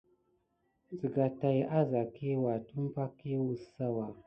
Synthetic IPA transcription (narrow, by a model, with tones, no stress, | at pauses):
zi˨ɡa˨ta˨jʔa˦za˨ke˦wa˨tu˦m˦pa˦ke˦wu˨sa˦wa˨